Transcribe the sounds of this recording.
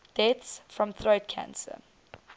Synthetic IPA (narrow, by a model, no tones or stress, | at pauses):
d̥ɛtsfɹɔ̃mθɹoʊtkʰã̰nsə̰